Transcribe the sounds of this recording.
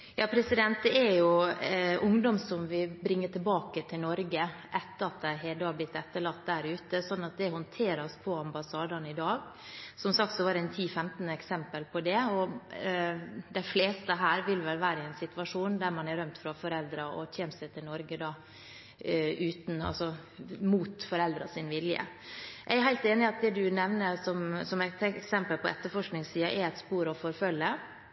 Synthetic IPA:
jɑːpʰɾɛsɪd̪ɛnt̪̚d̪ɛæɾjʊʔʊŋd̪ɔmsɔmʋɪbɾɪŋːəʈʰɪlbɑːkət̪ʰɪlnɔɾɡəʔɛt̪ːəɾɑt̪̚d̪æɦɛd̪ɑːblɪt̪ːɛt̪ːəɭɑt̪̚ːd̪æɾʉːt̪əsɔnːɑt̪̚d̪ɛhɔnt̪ʰeːɾspʰɔɑmbɑsɑːd̪ɑnɪd̪ɑːɡ | sɔmsɑk̚t̪sɔʋɑːɾæɪnt̪ʰiːfɛmt̪nəɛksɛmpəlpʰɔd̪ɛɔ | d̪æɪfleːst̪əɦæːɾʋɪlʋɛlʋæːɾəɛɪnsɪt̪ʋɑʂuːnd̪æɾmɑnæɾœmt̪fɾɑfɔɾɛld̪ɾɑɔ̰çʰɛːnsæɪt̪ʰɪlnɔɾɡəd̪ɑː | ʉːt̪n̩ɑ̰lsɔ | muːt̪fɔɾɛld̪ɾɑsɪnʋɪljə̰ | jæɡæɾɦæɪlt̪eːnɪɑt̪̚d̪ɛd̪ʉnɛʋnəɾsɔmsɔmæt̪ɛksɛmpəlpʰɔʔɛ̰t̪ːəɾfɔʂknɪŋsiːɑʔɛɾɛt̪spuːɾɔfɔɾfœlːəɾ

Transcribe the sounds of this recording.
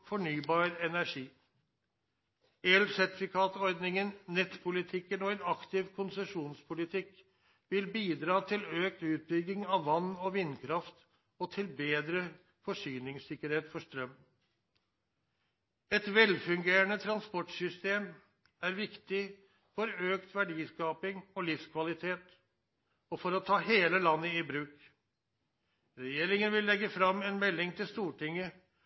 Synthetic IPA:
fɔɳyːbɑːɾɛnæʂiː | eːlsæɾt̪ɪfɪkʰɑːt̪ɔɾd̪nɪŋənːɛt̪pʰʊlɪt̪ʰɪkːənɔɛnɑkt̪ɪʋkʰʊnsəʂuːnspʰʊlɪt̪ʰɪk | ʋɪlbiːd̪ɾɑːt̪ʰɪløːk̚t̪ʉːt̪̚bʏɡɪŋɑʋːɑnːɔʋɪnːkʰɾɑft̪ | ɔt̪ʰɪlbeːd̪ɾə | fɔʂyːnɪŋsɪkːəɾheːt̪fɔʂt̪ɾœmː | ɛt̪ʋɛlfʉŋɡeːɾənət̪ʰɾɑnspɔʈsʏst̪eːm | æɾʋɪkt̪ɪ | fɔɾøːkt̪ʋæɖiːskɑːpɪŋɔlɪfskʰʋɑlɪt̪ʰeːt̪ | ɔfɔɾɔt̪ʰɑːheːləlɑnːəɪbɾʉːk | ɾɛjeːɾɪŋənʋɪlːɛɡːəfɾɑmɛnmɛlːɪŋt̪ʰɪlst̪uːʈʰɪŋːə

